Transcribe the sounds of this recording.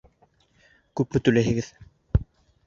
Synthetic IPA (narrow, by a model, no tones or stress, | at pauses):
kʉpmɘ̆t̪ʉlæɦɘ̆ɡɘð